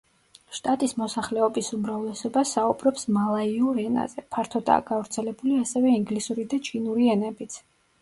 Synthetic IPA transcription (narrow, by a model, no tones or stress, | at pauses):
ʃt̪ʼat̪ʼismɔsaχlɛɔbisumɾavlɛsɔbasaubɾɔpsmalˠaiuɾɛna̰zɛpʰaɾt̪ʰɔd̪a̰ːɡ̥avɾt̪sʰɛlɛbuliasɛvɛiŋɡlisuɾid̪at͡ʃʰinuɾiɛnɛbit̪sʰ